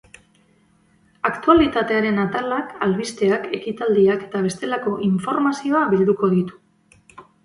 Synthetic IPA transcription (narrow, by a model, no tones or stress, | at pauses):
akt̪ualit̪at̪e̞aɾe̞nat̪alakalβist̪e̞ake̞kit̪ald̪iake̞̥t̪aβ̞e̞st̪e̞lako̞ʔiɱfo̞ɾmasio̞aβild̪uko̞ðit̪u̥